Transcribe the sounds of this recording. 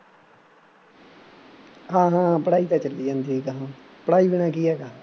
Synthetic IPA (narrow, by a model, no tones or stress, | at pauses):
ɦãːɦãːpəɽaːiːt̪ãːt͡ʃəlːiːd͡ʒãːnd̪iːkaɦãː | pəɽaːiːbɪñaːkiːɛːɡa